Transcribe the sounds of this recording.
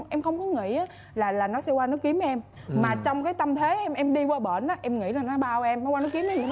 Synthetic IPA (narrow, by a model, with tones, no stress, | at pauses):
ʔɛ˧mxə˧wŋ͡mkɔ˨˦ŋḭ˧˨ʔaː˨˦ | laː˨˩laː˨˩nɔ˨˦sɛ˧waː˧nɨ˨˦˥ki˨˦əmʔɛ˧m | maː˨˩t͡ɕɔ˧wŋ͡mkaː˨˦jt̪ə˧mt̪ʰe˨˦ʔɛ˧mʔɛ˧mɗi˧waː˧ɓə̰ː˧˩nʔaː˨˦ʔɛ˧mŋḭ˧˥ɾaː˨˩nɔ˨˦ɓaː˧wʔɛ˧mnɔ˨˦waː˧nɨ˨˦˥ki˨˦əma˧˦ɲ˨˦